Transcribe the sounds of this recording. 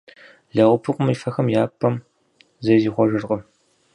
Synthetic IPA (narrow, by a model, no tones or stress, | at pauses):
ɮɐʁʷʊpʰɨqʷʼʊmifɐxɐmjaːpʰʼːɐm | zɐjziːχʷɔʒɨrqʼɐ